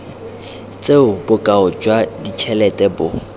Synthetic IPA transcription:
t͡sʼeʊbʊkʼaʊd͡ʒwadit͡ʃʰɛlɛtʼɛbʊ

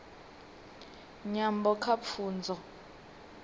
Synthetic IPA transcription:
ɲambɔkʰapfʰuːnd͡zʱɔ

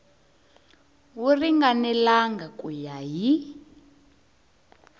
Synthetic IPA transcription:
wuriŋɡanɛlaŋɡakujaɦi

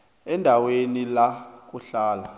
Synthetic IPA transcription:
ɛndʱawenilak̬ʼuɬaːla

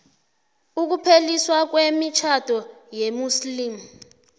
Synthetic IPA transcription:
uk̬upʰeliswak̬wemit͡ʃʰad̥ʱɔjemuslimu

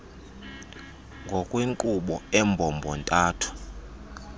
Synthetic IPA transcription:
ŋɡʱɔkʼwiŋkʼuɓɔɛmbʱɔmbʱɔntʼaːtʰu̥

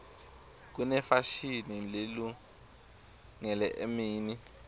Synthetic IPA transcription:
k̬unɛfaʃinilelu | ŋɛlɛʔemiːni

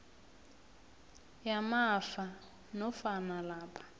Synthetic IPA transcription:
jamafa | nɔfanalaːpʰḁ

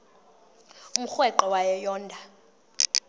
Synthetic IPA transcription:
um̩xwɛǃɔwajɛjɔːndʱa

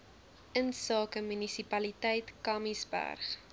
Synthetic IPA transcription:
ənsɑːkəmynisipɐlitɛjtkɐmisbæ̰rχ

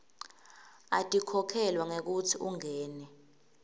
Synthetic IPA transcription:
atʼikʰɔkʰɛlwaŋek̬utʰiuŋɛːnɛ

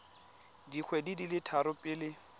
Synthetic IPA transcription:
dik͡xʰwɛdidilɪtʰaɾʊpʼɪlɪ

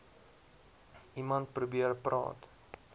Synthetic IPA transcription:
ʔimɐnt̚prubiərprɑ̰ːt

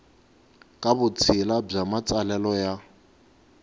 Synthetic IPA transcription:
kʼabʊt͡sʰɪlab͡ʐamat͡sʼalɛlɔja

